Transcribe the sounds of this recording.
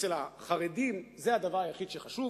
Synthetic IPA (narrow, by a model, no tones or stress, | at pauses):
elaχaʁedimzead̪avaʁajaχid̪ʃeχaʃu